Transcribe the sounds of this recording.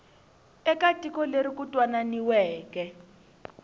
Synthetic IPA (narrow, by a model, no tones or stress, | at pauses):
ɛkatʼikɔleɾikutʼwananiwɛːkɛ